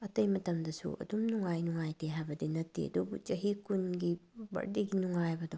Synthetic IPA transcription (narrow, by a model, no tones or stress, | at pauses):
ɐtɐjmɐtɐmdɐsṵɐ̰dumnuŋajnuŋajteɦabɐdinɐtːḭɐ̰dubṵd͡ʒɐɦikunɡibɐ̰ɾdiɡinuŋajbɐdɔ